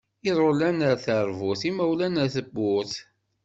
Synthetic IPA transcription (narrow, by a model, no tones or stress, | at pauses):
iɾˤolænəɾθəɾˤvʊθimæwlænəɾθəbːʊθ